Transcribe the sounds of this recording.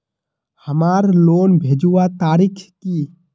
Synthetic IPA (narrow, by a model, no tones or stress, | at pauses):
həmaːɾloːnbʱeːd͡ʒuwat̪aːɾikʰki